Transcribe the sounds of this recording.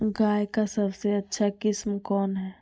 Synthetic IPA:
ɡaːjkasəbseɐtːʃʰakɪsmkɔːnɦɛː

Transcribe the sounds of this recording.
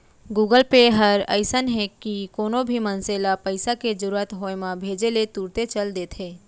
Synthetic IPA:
ɡuːɡəlpeɦəɾə̰ɪsənɦɛkikoːnobʱimənselapəɪsaked͡ʒəɾuət̪ɦoːemãbʱeːd͡ʒelet̪uːɾt̪et͡ʃəld̪eːt̪ʰɦeː

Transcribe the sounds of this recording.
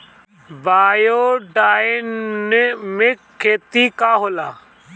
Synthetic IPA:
baːjoːɖaːɪnnmɪkʰːeːt̪iːkaːɦoːlaː

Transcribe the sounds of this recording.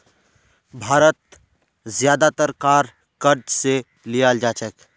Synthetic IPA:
bʱaːɾət̪̚ | zjaːd̪at̪əɾkaːɾ | kəɾd͡ʒse | lijaːld͡ʒaːt͡ʃək

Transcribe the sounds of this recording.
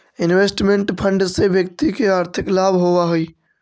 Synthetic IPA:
ɪnwesʈmẽɳʈpʰəɳɖsebjək̚t̪ikeaːɾt̪ʰɪklabʱɦoʋaɦoi

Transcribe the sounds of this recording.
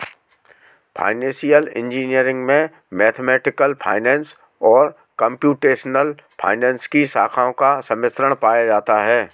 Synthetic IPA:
fʰa̰ːɪnɛ̃ːsijəlɪ̰̃nd͡ʒiːnijəɾɪ̃ŋɡmẽ | mɛːt̪ʰmɛːʈɪkəlfʰa̰ːɪnɛ̃ːns | ɔːɾ | kə̃mpjuːʈeːʃnəlpʰa̰ːɪnɛ̃ːnskisaːkʰaõkasɐmɪst̪ɾəɽ̃paːjad͡ʒaːt̪aɦɛː

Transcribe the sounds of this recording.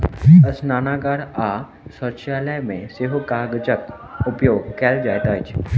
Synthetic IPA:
əsnaːnaːɡaɽa | səɾt͡ʃaːləjmẽseɦukaɡəd͡ʒək̚t̪ʊpjoːɡkeld͡ʒaːjt̪aːt͡ʃʰ

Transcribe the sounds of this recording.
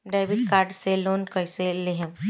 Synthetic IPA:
ɖajʋiʈ̚kaːɾɖseloːnkəjseleɦem

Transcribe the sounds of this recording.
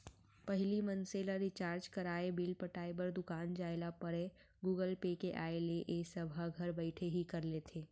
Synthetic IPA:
pəɦlimənseləɾɪt͡ʃaːɾd͡ʒkəɾaːebɪlpəʈaːebəɾd̪ʊkaːnd͡ʒaːelapəɾe | ɡuːɡəlpekeʔaːeleʔeːsɐbʱaɡʱɐɾbəɪʈʰeɦikəɾlet̪ʰeː

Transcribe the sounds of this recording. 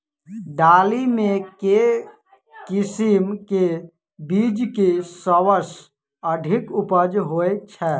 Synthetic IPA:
ɖaːlimẽke | kisimke | bid͡ʒkesəwəs | əɖʱɪkʊpəd͡ʒɦoet͡ʃʰɛ

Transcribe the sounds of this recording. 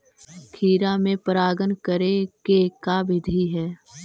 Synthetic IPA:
kʰiːɾamẽpəɾaːɡənkəɾekekaʋɪd̪ʱiɦɛː

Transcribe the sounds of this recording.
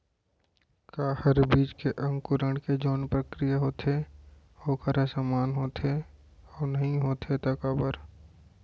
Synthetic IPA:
kaːhəɾbiːd͡ʒkeʔə̃ŋɡkʊɾəɳked͡ʒoːnpɾəkɾɪjaɦoːt̪ʰe | hoːkəɾesəmaːnɦoːt̪ʰe | ɔːnəɦĩɦoːt̪ʰet̪əkəbəɾ

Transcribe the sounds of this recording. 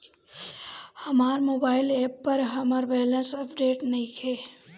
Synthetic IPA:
hɐmaːɾmoːbaːɪleːpːɐɾɦɐmaːɾbɛːlə̃nsɐpɖeːʈnɐɦĩkʰeː

